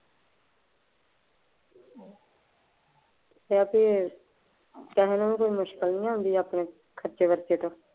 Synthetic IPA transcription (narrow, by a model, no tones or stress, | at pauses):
t̪eːapeː | k̪ɛɦẽnũːikoːiːmʊʃkəlnĩːãːɦʊ̃nd̪iːaːpɳeː | kʰəɾt͡ʃeːʋəɾt̪eːʈoː